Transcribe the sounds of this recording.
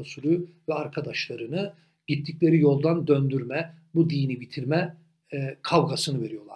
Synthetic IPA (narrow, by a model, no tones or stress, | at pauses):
suɾuvɛaɾkʰad̪aʃlˠaɾɯnɯ | ɟ̥it̪ʰːiclʲe̞ɾijo̞lˠd̪and̪ønd̪yɾmɛbud̪iːnibit̪ʰiɾmɛ | kʰavɡasɯnɯve̞ɾijo̞lˠaɾ